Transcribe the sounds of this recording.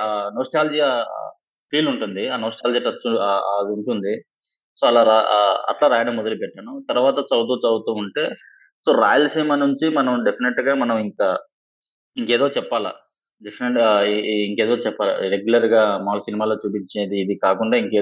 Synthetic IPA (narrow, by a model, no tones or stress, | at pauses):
aːnoːsʈaːld͡ʒia | pʰiːluɳʈund̪iaːnoːsʈaːld͡ʒiʈːɐst̪uuɳʈund̪i | soːɐlaːɾaɐ̰ʈlaːɾaːjɐɽɐmɔd̪ɐlipɛʈːaːnut̪ɐɾuʋaːt̪ɐt͡ʃɐwt̪uːt͡ʃɐwt̪uːuɳʈe̞ː | so̞ːɾa̰ːjɐlseːmaːnuɲt͡ʃimɐnɐmɖe̞pʰineʈɡaːmɐnɐmiŋkɐ | iŋke̞ːd̪o̞ːt͡ʃɛpːaːla̰ | ɖepʰineʈiŋkeːd̪o̞ːt͡ʃɛpːaːlɐ̰ɾeɡjulɐɾɡaːmaːlɐsinimaːlo̞ːt͡ʃuːpiɲt͡ʃeːd̪iːd̪ikaːkuɳɖaːiŋkeː